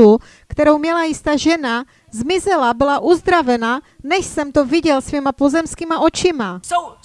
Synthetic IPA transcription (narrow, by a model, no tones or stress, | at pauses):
u | kt̪ɛɾowmɲɛlajɪst̪aːʒɛna | zmɪzɛlabɪlaʔuzd̪ɾavɛnanɛʃsɛmt̪oviɟɛlsvimapozɛmskiːmaʔot͡ʃɪma